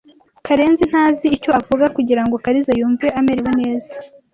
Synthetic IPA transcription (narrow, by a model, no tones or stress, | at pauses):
kaɾe̞ːnzin̥haːziːco̞avuɡakuɟiɾaŋɡo̞kaɾizajuːɱveameɾewune̞ːzḁ